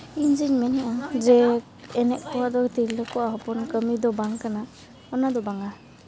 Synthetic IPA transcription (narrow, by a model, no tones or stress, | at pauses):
iɲd͡ʒiɲmɛnɛʔad͡ʒɛ | ɛnɛk̚pɔwad̪ɔt̪iɾlɔkɔʔaɦɔpɔnkəmid̪ɔbaŋkana | ɔnad̪ɔbaŋa